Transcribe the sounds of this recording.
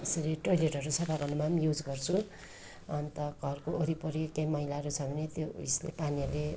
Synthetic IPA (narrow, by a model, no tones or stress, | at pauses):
esʌɾiʈojleʈɦʌɾusʰʌbʱaɡʌnumamjud͡zɡʌrt͡sʰu | ʌnt̪ʌɡʱʌrkooɾipoɾiekːejmʌɦilaɾut͡sʰʌbʱʌnet̪joislḛpanijale